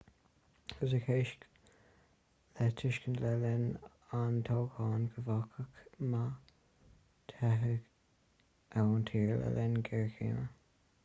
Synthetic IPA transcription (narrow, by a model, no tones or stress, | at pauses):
əs̬əkʰeːʃk | lɛtʰɪʃkənlɛlɛn | antʰoːkɑːnɡʰəvakʰəkma | tʰɛɦəɡ | ʔɛwntʰiːɹlɛ̰lɛnɡɛɹkḭːmə